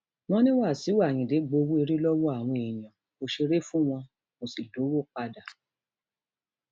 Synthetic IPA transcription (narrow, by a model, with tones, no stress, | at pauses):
mɔ̃˦nĩ˦wa˦˨si˨˦wa˦˨j̃ĩ˨de˨˦ɡ͡bo˧wu˦e˧ɾi˦lɔ˦wɔ˦a˦˨w̃ɔ̃˧e˨j̃ã˨ | mo˧ʃe˧ɾe˦fũ˦w̃ɔ̃˧ | mo˨si˨lo˨˦wo˦˨k͡pa˧da˨